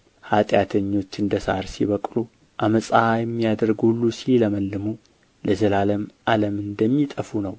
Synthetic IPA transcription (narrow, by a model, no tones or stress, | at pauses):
hat̪ʼjat̪ʰəɲːo̞t͡ʃːɨnd̪əsa̰ɾsiβəkʼlu | ʔaməsʼajɛmːijad̪əɾɡhulːusiləməlːɨmu | ləzəlaləmʔaləmɨnd̪əmːit̪ʼəfunəw